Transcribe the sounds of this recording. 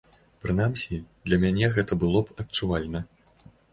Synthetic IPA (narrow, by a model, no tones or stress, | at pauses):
pɾɨnamsʲid̪lʲɐmʲanʲɛɣɛt̪ɐbɨlˠɔpɐt̚t͡ʂuvalʲnɐ